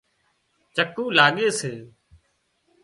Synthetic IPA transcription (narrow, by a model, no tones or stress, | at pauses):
t͡ʃəkũːlaːɠeːseː